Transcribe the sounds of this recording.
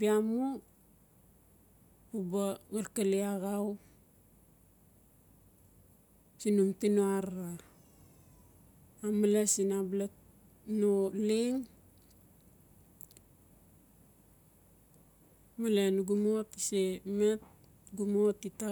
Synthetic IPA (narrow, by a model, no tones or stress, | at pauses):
piamu | pubaɡalkaliaɡaw | sinumtinoaɾa | amalesinablat | noliŋ | malenɡumotisemet̚ | ɡumotita